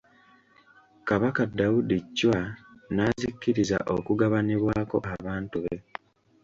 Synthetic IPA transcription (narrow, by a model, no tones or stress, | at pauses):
kaβakadːaudicːwanaːzikːiɾiza̰ʔo̞kuɡaβaniβwaːko̞̰ʔaβaːntuβe̞